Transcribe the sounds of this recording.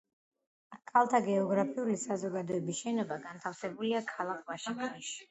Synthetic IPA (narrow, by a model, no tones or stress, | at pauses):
kʰalˠt̪ʰaɡɛɔɡɾapʰiulisazɔɡad̪ɔɛbisʃɛnɔbaɡant̪ʰafsɛbuliakʰalˠakʰvaʃiŋɡniʃi̥